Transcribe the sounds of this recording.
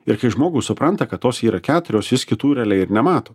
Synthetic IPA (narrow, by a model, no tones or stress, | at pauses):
ɪɾkɐɪʒmoːɡuːsʊpɾɐnt̪ɐkɐt̪t̪ːoːsiːɾɐkʲæːt̪ʊɾʲoːsʋʲɪskʲɪt̪uːɾʲɛlʲɛɪɾnʲɛmɑːt̪oː